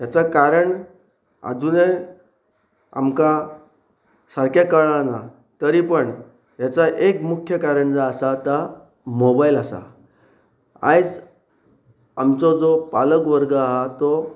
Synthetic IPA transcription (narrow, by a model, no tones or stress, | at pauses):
jat͡sakaɾəɳ | a̰d͡zune | a̰mka | saɾkakəɭãna | t̪əɾipəɳ | jat͡saʔekmukʰjəkaɾəɳd͡zaːsat̪a | mobailasa̰ | a̰jt͡s | amt͡sɔd͡zɔpaləkʋəɾɡəaɦat̪ɔ